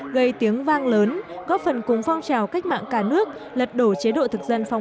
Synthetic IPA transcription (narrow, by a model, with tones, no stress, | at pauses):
ɣə˧˩jt̪i˨˦əŋvaː˧ŋləː˨˦nɣɔ˦˥p̚fə˨˩nkʊ˨˦ŋ͡mfɔ˧wŋ͡mt͡ɕaː˨˩wka˦˥jk̟̚ma̰ː˧˨ŋkaː˧˩nɨ˦˥ək̚lə˨˩t̚ɗo˧˩t͡ɕe˨˦ɗo̰˧˨t̪ʰɨ˨˩k̚zə˧nfa˧wŋ͡m